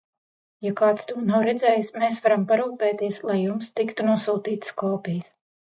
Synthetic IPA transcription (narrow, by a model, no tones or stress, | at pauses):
jakaːt̪st̪uɔnawɾɛd̪zɛːjismeːsvaɾampaɾuːpɛːt̪iɛslˠajːumst̪ikt̪unuɔsuːt̪iːt̪skɔːpʲijs